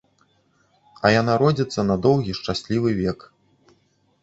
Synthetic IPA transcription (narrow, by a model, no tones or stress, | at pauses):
ɐjanaɾɔd͡zʲit̪sːɐnɐd̪ɔwɣʲiʂt͡ʂasʲlʲivɨvʲɛk